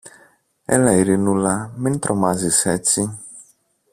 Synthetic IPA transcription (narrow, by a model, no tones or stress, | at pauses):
ɛ̰laiɾinulamɪ̃n̩t̪ɾɔmazisɛti